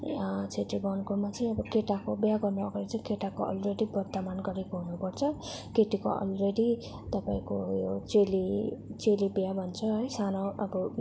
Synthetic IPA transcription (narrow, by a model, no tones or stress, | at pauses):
at͡sʰeʈiɡʌnkumat͡sʌ̃ĩʌbʌkeʈakobjaɡʌrnoʌɡaɾit͡sʌĩkeʈakoʌ̰lreɽibʌrt̪amanɡʌɾekoɦunupʌrt͡sʰʌkeʈikoʌ̰lreɽi | t̪ʌpaĩkojot͡selit͡selibjabʱʌnt͡sʰʌɦʌjsanoʌbʌ